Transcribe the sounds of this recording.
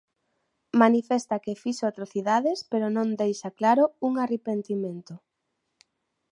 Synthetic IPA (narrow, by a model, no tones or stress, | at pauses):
manifest̪akefiʃoat̪ɾoθiðaðɪspeɾonõnd̪ejʃaklaɾouŋarepent̪imẽnt̪ʊ